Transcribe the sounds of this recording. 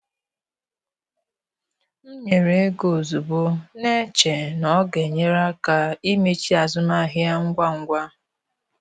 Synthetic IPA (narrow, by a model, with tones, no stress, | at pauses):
n̩˦ɲe˨ɾe˨˦ɡo˨zu˨bo˦ne˦t͡ʃe˨nɔ˦ɡe˨ɲe˦ɾa˦ka˨i˦me˦t͡ʃi˦a˨zʊ˦na˦˨ɦɪ˦a˦ŋ̩˦ɡʷa˦ŋ̩˦ɡʷa˦